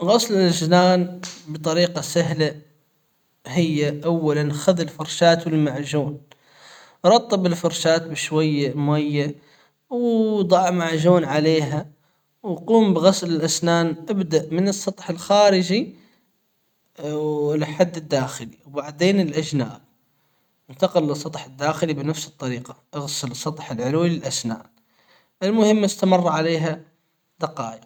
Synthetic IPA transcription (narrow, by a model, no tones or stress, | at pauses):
ɣɑslɪlʔaʃnaːnbɨt̪ˤɑɾiːqɑsaɦla | hɪjːaʔawːalanxaðɪlfɑɾˤʃaːt̪wɪlmaʕʒuːn | ɾˤɑt̪ˤːɨbɪlfɑɾˤʃaːt̪̚bɪʃwajːamʊajːa | wd̪ˤɑʕmaʕʒuːnʕaleːɦa | wquːmbɪɣɑslɪlʔasnaːnʔabd̪aʔmɪnɨsˤːɑt̪ˤħɪlxaːɾɪd͡ʒi | lħad̪ːɪd̪ːaːxɪlḭwbaʕd̪eːnɪlʔad͡ʒna̰ːʔ | ɪnt̪ɑqɪlːɨsˤːɑt̪ˤħɪd̪ːaːxɪlibnafsɨt̪ˤːɑɾiːqɑʔɑɣsɪlsˤːɑt̪ˤħɪlʕʊluːlɪlʔasna̰ːn | ʔɪlmʊhɪmːɪst̪amɑrˤːɑʕaleːɦa | d̪ɑqɑ̰ːjɑ